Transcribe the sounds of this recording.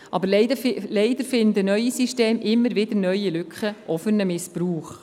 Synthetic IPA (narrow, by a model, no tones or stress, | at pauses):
ʔɑbəɾllɛɪd̪əɾfɪnd̪ənœʏisiʃteːmʔɪmːəɾvɪd̪ənœʏilʏkχəʔɔfənəmɪspɾuːχ